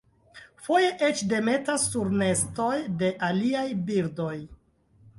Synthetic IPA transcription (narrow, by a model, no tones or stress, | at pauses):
fo̞je̞ʔet͡ʃde̞me̞tasːuɾne̞sto̞jde̞ʔaliajbiɾdo̞j